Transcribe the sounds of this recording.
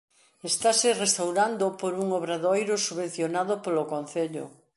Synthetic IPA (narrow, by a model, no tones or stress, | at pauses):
est̪aserest̪awɾand̪opoɾuŋoβɾaðojɾosuβen̟θjonaðopolokõn̟θeʎo̰